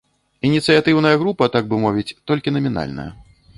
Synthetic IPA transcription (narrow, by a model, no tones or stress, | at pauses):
inʲit̪sɨjat̪ɨwn̪ɐjɐɣɾupɐt̪aɡ̚bɨmɔvʲit͡sʲt̪ɔlʲkʲinɐmʲina̰lʲnɐ̰jɐ̰